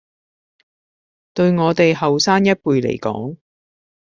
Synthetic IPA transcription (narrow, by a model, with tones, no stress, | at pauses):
t̪ɵ˧ɥŋɔː˨˧t̪e˨jhɐ˨wsaː˥njɐ˥t̚puː˨˧jlḛ˨˩jkɔ̰ː˨˥ŋ